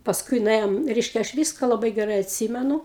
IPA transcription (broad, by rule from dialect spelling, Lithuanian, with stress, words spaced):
pɐsˈkʊɪ nʊˈeːjoːm ˈrʲɛɪʃʲkʲɛ ɐʃ ˈʋʲiːskɐ lˠɐˈbɐɪ ɡʲɛˈrɐɪ ɐtʲˈsʲiːmʲɛnʊ